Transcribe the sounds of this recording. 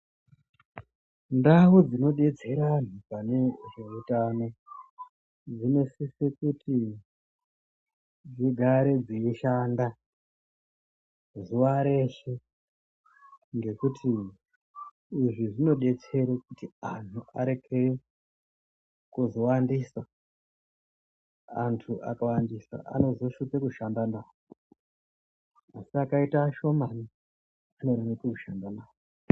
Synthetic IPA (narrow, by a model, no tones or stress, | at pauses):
ndawud͡zino̞ɗe̞t͡se̞ɾan̤upane̞ʐe̞utano̞ | d͡zine̞sisekutʰi | d͡ziɡʱaɾe̞d͡ziiʃanda | zuʋaɾe̞ʂe | ŋɡe̞kutʰi | ʐiʐino̞ɗe̞t͡se̞ɾekutiantʰuʔa̰ɾe̞kʰe | kuzo̞wandiswa | antʰuʔa̰kawandiswa̰ʔa̰no̞zo̞ʃukekuʃandanaːwo | asiakaitaʃo̞mani | ano̞ɾimikekuʃandanaːwo